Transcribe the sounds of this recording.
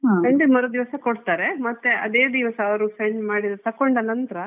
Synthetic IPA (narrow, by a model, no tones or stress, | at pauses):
ɦakɐɳɖimɐɾod̪iʋɐsɐkoɽt̪aːɾemɐt̪ːeʔɐd̪eːd̪iʋɐsɐːʋɐɾusɐjɳɖmaːɽid̪ɾɐt̪ɐkːoɳɖɐlːɐnt̪ɾɐ